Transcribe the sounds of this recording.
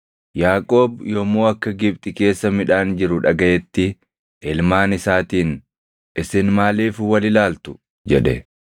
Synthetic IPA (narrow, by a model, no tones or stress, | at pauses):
jaːkʼo̞ːbjomoːɐkːɐɡɪb̚t̪ʼɪke̞ːsːɐmɪᶑaːnd͡ʒɪɾʊᶑɐɡɐʔɛt̪ːɪ | ʔɪlmaːnɪsaːt̪iːn | ɪsɪnmaːliːfwɐlɪlaːlt̪ʊ̥ | d͡ʒɛᶑɛ̰